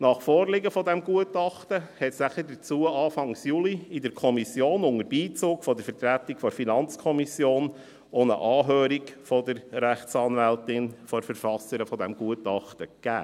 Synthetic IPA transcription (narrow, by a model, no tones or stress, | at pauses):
nɑχfɔːrlɪɡəfɔdɛmɡuətɑχtəhɛtsnæχədət͡suəɑːfɑŋsjuliɪdəɾkʰɔmisjoːnʊŋəɾbiːt͡soːkfɔd̥̪əɾfəɾt̪ɾætikfɔɾfinɑnt͡skʰɔmisjoːn | onə̰ʔɑːɦøːɾiɡfɔd̪əɾɾæχtsɑːnvæltɪnfɔɾfəɾfɑsəɾəfɔdɛmɡuətɑχt̪əkæ̰ː